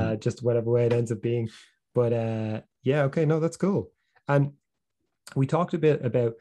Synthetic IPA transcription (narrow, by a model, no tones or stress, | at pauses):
əd͡ʒʌst̚wʌɾɛvəweɪɾɛ̃ndzəvbiɪ̃ŋ | b̥ʌɾʌ | jæoʊkʰeɪnoʊðatskʰuːlˠ | ə̃n | witʰɔˑk̚təbɪtəbaʊt̚